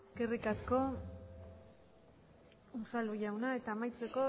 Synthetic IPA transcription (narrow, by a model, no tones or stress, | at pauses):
eske̞rikasko̞ | usalujawnae̞t̪aːmajt͡seko̞